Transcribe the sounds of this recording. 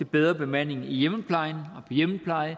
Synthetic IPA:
t͡sʰe̝b̥eðˠʁɐb̥e̝mæn̰e̝ŋijeməpʰlɑ̈ɪnɒ̽pʰɒ̽jeməpʰlɑ̈ɪə

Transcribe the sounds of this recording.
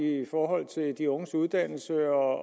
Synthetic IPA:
ifɒːɦɒ̽l̰t͡sʰe̝ld̥ioŋəsuð̞ˠd̥æn̰l̩səɒ̽

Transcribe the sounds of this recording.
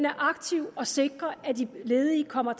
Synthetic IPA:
næɐʔɑ̈ɡ̥t͡sʰiʊ̰ɒ̽se̝ɡ̥ʁɐæd̥ile̝ːðˠiːkʰɒ̽m̰ɐt͡sʰ

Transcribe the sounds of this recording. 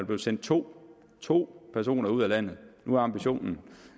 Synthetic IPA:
ble̝ʊsen̰d̥̚t͡sʰo̝̰ː | t͡sʰo̝̰ːpʰæɐs̬o̝̰ːnɐuð̞̰ˠælæn̰ð̩ˠnuæɑ̈mb̥iɕo̝̰ːnn̩

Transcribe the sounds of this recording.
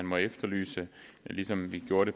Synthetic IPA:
ænmɒ̽efd̥ɐly̰ːsəlisɒ̽mʋiɡ̥jo̝ːɐɾe̝

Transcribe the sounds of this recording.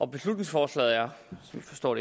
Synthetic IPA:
ɒ̽b̥e̝slud̥ne̝ŋsfɒːslɛ̰ð̩ˠjasɒ̽mi̥fɒ̽sd̥ɒ̰ːɾ̥e

